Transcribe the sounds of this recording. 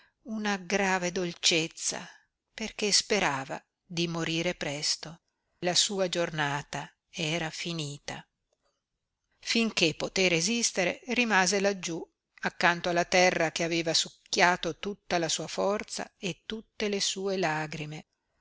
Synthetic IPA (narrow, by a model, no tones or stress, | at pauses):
unaɡɾaːved̪olt͡ʃet̪sːa̰ | perk̟espeɾaːva̰ | d̪imoɾiːɾepɾɛst̪o | lasuːad͡ʒornaːt̪a | ɛːɾafiniːt̪a | fiŋk̟epːot̪eɾezist̪eɾḛrimaːzelad͡ʒːu | akːant̪oalːat̪ɛrːakeaveːvasukːjaːt̪ot̪ut̪ːalasuːafɔrt̪sa̰et̪ːut̪ːelesuːelaːɡɾime